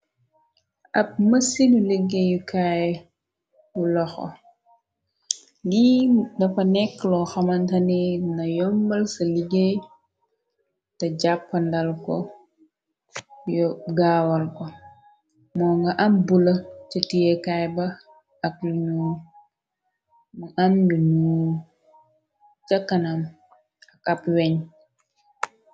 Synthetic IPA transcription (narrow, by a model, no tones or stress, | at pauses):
ɐp̚mɐsinuleɡːejukaj | bulɔxɔ̰ | lidɐfɐnɛkːlɔxɐmɐntɐninɐjɔmbɐlsɐliɡej | tɐɟapːɐndɐlkɔ̰ | jɔɡaːwɐlkɔ | mɔːŋɡɐʔɐmbulɐt͡ʃətijɛkajbɐ | ɐk̚lunu | muʔanduɲu | t͡ʃɐkːɐnɐm | ɐkɐpwɛɲ